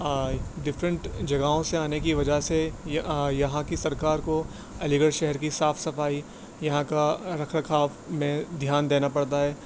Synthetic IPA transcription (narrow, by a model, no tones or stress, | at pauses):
d̪ɪfɾə̃ɳʈd͡ʒɐɡaõseaːnekiʋɐd͡ʒaɦse | jɐɦãkisɐɾkaːɾko | ɐlɪɡəɽʃɛɦɛɾkisaːfsɐfaːi | jɐɦãkaɾɐkʰɾəkʰaːfmẽd̪ʱjaːnd̪eːnapɐɽt̪aɦɛː